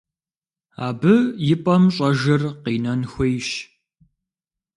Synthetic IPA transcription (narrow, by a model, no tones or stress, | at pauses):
a̰ːbɨjɪpʼɐmɕʼɐʒɐrqiːnɐnxʷejʃ